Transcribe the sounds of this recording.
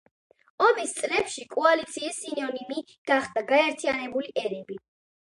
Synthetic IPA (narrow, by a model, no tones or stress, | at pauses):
ɔmist̪sʼlɛpʃikʼɔalit̪sʰiːsːinɔnimi | ɡ̥aχd̪aɡaɛɾt̪ʰianɛbuliʔɛɾɛbi